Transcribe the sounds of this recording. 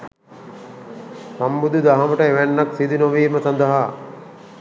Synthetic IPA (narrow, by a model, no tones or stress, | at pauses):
sambud̪ud̪aɦaməʈəeʋænːak̪sid̪unoʋiːməsand̪əɦa